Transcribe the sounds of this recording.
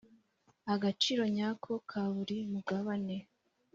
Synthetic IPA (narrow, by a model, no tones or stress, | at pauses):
aɡat͡ʃiːɾo̞ɲaːkʰo̞kʰaβuɾimuɡaβane̞